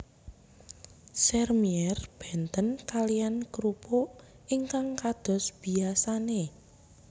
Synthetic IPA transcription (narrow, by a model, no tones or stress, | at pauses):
sɛrmiɛrb̥ɛ̤nt̪ənkalijankɾupo | ʔiŋkaŋkad̪̥ɔ̤sb̥i̤asane